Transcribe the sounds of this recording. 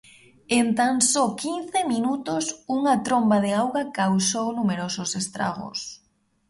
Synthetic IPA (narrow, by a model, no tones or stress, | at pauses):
ent̪aŋsɔkinθeminut̪ʊsuŋat̪ɾombaðeawɣakawsownumeɾosʊsest̪ɾa̰ɣo̰s